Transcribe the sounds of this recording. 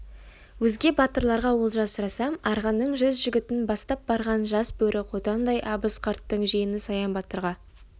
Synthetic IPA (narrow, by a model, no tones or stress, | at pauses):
wɵzɡʲe̞bɑt̪əɾlˠɑɾʁɑwo̞lˠʒɑssʊɾɑsɑmɑɾʁɑnːəɴʒʏzʒʏɡʲɪt̪ɪnbɑst̪ɑp̚b̥ɑɾʁɑnʒɑsbɵɾʔɪwo̞t̪ɑnd̪ɑjʔɑbəsqʰɑɾt̪ːəɴʒijɪnɪsɑjɑnbɑt̪əɾʁɑ